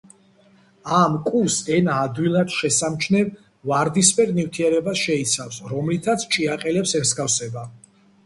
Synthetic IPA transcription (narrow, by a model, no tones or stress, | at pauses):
amkʼusɛnaːd̪wilˠad̪ʃɛsamt͡ʃʰnɛv | vaɾd̪ispɛɾnivt̪ʰiɛɾɛbasʃɛit̪sʰafsɾɔmlit̪ʰat̪sʰt͡ʃʼiaqʼɛlɛpsɛmsɡafsɛba